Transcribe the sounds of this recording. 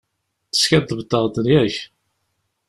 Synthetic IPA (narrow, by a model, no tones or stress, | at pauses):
θə̥skæd̪əbəd̪əʁˤd̪ənjæç